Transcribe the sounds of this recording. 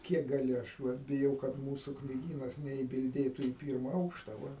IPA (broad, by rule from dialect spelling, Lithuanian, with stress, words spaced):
ˈkʲiɛk ɡɐˈlʲɪ ˈɐʃ ʋɐt bʲɪˈjɛʊ kɐt ˈmuːsʊ knʲiːˈɡʲiːnɐs nʲɛɪbʲɪlʲˈdʲeːtʊ iː ˈpʲiːrmɐ ˈɐʊkʃtɐ ʋɐ